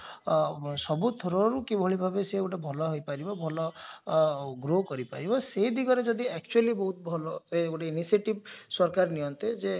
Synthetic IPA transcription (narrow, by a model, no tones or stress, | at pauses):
sɔbut̪ʰoɾɔɾukibʱoɭibʱabeseekuʈabʱɔlɔɦojpaɾibɔbʱɔlɔ | ɡɾokɔɾipa̰ɾibɔseid̪iɡɔɾed͡ʒɔd̪iek̚t͡ʃualibɔɦut̪̚bʱɔlɔekuʈainisieʈibsɔɾkaɾnijɔnt̪ed͡ʒe